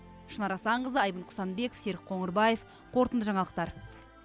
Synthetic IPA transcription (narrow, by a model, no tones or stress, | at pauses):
ʃənɑɾɑsɑɴʁəzəɑjbənqʰʊ̥sɑnbe̞kofse̞ɾk̚qʰoɴəɾbɑje̞f | qʰo̞ɾt̪ənd̪əʒɑɴɑlˠəq̚t̪ɑɾ